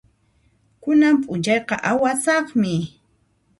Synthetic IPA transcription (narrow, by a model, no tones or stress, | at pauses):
kʊnampʼʊnt͡ʃɑjqɑʔawasɑχmɪ